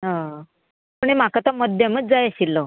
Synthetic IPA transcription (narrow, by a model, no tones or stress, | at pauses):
ɦã | puɳ̃em̤akat̪əməd̪ʱjaməd͡zd͡zajəɕilːo